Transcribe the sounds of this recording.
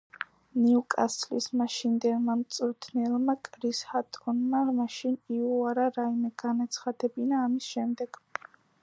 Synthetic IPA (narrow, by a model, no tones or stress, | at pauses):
niukʼaslismaʃind̪ɛlmamt̪sʼuɾt̪ʰnɛlˠmakʼɾishat̪ʼɔnmamaʃiniuaɾaɾaimɛɡanat̪sʰχad̪ɛbinaːmisʃɛmd̪ɛɡ̥